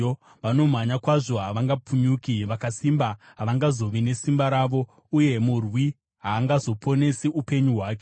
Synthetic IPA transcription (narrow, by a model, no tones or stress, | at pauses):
ʋano̞m̤aɲakwaʐo̞ɦaʋaŋɡapuɲuːkiʋakasimbaɦaʋaŋɡazo̞ʋine̞simbaɾaːʋo̞ | uje̞murwi | ɦaːŋɡazo̞pʰo̞ne̞siʔupe̞ɲuɦwaːk̬e̥